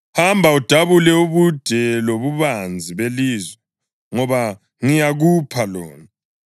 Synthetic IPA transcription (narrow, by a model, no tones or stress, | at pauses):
hambʱaud̥ʱaβulɛuβud̥ʱɛloβuβand͡zʱiβeliːzwɛ | ŋɔβa | ŋijaɣupʰalɔ̰ːna